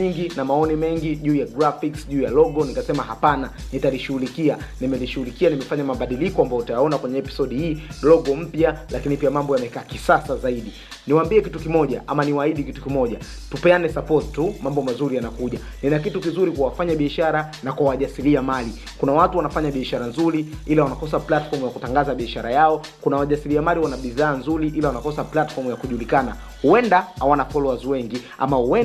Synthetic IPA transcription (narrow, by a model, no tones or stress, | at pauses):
iŋɡinamaɔnimɛŋɡiʄuːjaɡɾafiksʄuːjalɔɠɔnikasɛmahapana | nitaliʃuhulikianimɛliʃuulikianimɛfaɲamaɓaɗilikɔambajɔtajaɔnakwɛɲɛɛpi̥sɔɗihiːlɔɡɔm̩pjalakinipiamambɔjamɛkaːkisasazaiɗi | niwaːmbiɛkitukimɔʄa̰ʔamaniwaiɗikitu̥kimɔʄa | tupɛanɛsapɔttumambɔmazuɾijanakuʄa | ninakitukizuɾikwawafaɲaɓiaʃaɾa | nakwawaʄasiliamali | kunawatuwanafaɲaɓiaʃaɾanzuɾiilawanakɔsaplatfɔɾmujakutaŋɡazaɓiaʃaɾajaɔ | kunawaʄasiliamaliwanaɓiðaːnzuɾiʔilawanakɔsaplatfɔɾmujakuʄulikana | huɛndahawanafɔlɔazwɛŋɡi | a̰mahuɛ